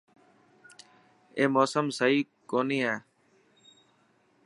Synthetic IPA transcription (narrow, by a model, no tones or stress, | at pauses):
eːmoːsəmsəiː | koːniːɦɛː